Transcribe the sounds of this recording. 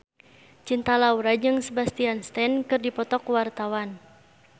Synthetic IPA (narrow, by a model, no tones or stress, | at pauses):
t͡ʃint̪alauɾad͡ʒɨŋsəbast̪ianst̪ɛnkɨrdipɔt̪ɔkwart̪awan